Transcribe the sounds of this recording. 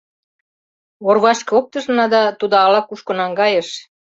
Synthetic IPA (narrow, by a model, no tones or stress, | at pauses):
orβɑʃkɤ̆ok̚t̪ɤ̆ʒ̆nɑd̪ɑt̪ud̪ɑlɑkuʃkŏnɑŋɡɑjeʃ